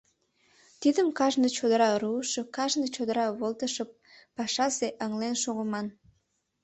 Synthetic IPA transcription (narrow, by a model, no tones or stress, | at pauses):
t̪id̪əmkɑʒnət͡ɕod̪əɾɑɾuʃəkɑʒnət͡ɕod̪əɾɑβolˠt̪əʃəp̚ː | ɑʃɑseʔəŋlenʃoɣəmɑn